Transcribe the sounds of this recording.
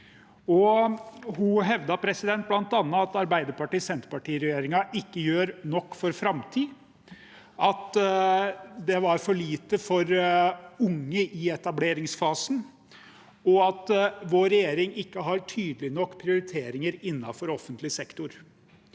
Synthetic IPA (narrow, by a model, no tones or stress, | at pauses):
ɔ | ɦʊɦɛʋd̪ɑpʰɾɛsɪd̪ɛnt̪̚blɑnt̪ɑnːəɑt̪ɑɾbæɪd̪əɾpɑʈiːsɛnt̪pɑʈiːɾɛjeːɾɪŋɑʔɪkːəjøːɾnɔkːfɔɾfɾɑmt̪ʰiː | ɑt̪ | d̪ɛʋɑɾfɔɭiːt̪əfɔɾ | ʊŋːəʔɪɛt̪ɑbleːɾɪŋsfɑːsn̩ | ɔɑt̪ʋoːɾɛjeːɾɪŋɪkːəɦɑɾʈʰyːd̪əlɪnɔkːpʰɾɪʊɾɪt̪ʰeːɾɪŋəɾɪnːɑfɔɾɔfənt̪lɪsɛkt̪ʊɾ